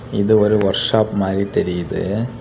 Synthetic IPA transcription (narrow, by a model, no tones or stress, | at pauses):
iðɨoɾuʋɐrʂaːpmaːɾit̪eɾijɐðɯ̰